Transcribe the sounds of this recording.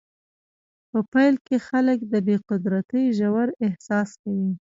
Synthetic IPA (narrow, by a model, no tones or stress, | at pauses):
pəpajlkexaləkd̪əbeqʊd̪ɾat̪əjʒawaɾɪhsɑskawi